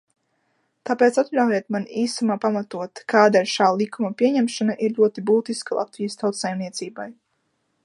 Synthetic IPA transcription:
t̪apeːt̪sat̪ʎʲawjɛt̪maniːsamaːpamat̪uɔt̪kaːd̪ailʲʃaːlˠikʰumɐpʲiɛɲɛmʃanaʔiɾʎʲuɔt̪ibuːt̪iskalˠa̰t̪vijəst̪awt̪sajmniɛt̪siːbaj

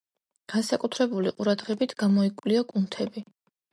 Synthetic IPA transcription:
ɡ̥ansakʼut̪ʰɾɛbuliqʼuɾad̪ʁɛbit̪ʰɡ̥amɔikʼwliɔkʼunt̪ʰɛbi

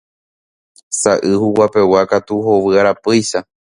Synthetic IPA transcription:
saʔɨhuwape̞wakat̪uhoʋɨaɾapɨjʃa

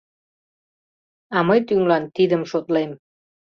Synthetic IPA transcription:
ɑməjt̪yŋlɑnt̪id̪əmʃot̪lem

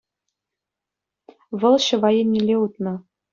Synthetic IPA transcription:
vɤ̆lˠɕɤ̆vɑjenʲːilʲeut̪nɤ̆

